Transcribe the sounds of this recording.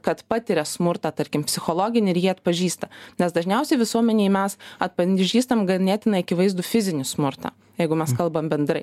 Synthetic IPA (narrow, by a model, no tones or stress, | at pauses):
kɐt̪pɑːt̪ʲɪɾʲɛsmʊɾt̪ɑːt̪ɐɾʲkʲɪmpʲsʲɪxoːlˠoːɡʲɪnʲɪɪɾjiːɐt̪pɐʒʲiːst̪ɐnʲɛsd̪ɐʒʲnʲɛʊsʲɛɪʋʲɪsuɔmʲɛnʲeːɪmʲɛsɐt̪̚pɐʒʲiːst̪ɐmɡɐnʲeːt̪ʲɪnɐɪɐkʲɪʋɐɪzd̪ʊfʲɪzʲɪnʲɪsmʊɾt̪a̰ː | jɛɪɡʊmʲɛskɐlˠbɐmbʲɛnd̪ɾɐɪ